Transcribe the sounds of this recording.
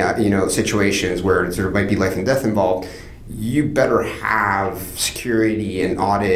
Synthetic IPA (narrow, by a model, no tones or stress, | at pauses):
jɨñoʊsɪt͡ʃueɪʃɨ̃nzwə˞sə˞maɪt̚b̥ilaɪfn̩dɛθɨ̃ɱvɑlˠvd | jɨbɛɾə˞əv̥sɨ̥kʰj̥ʊɹɨɾiɨ̃nɔɾɪ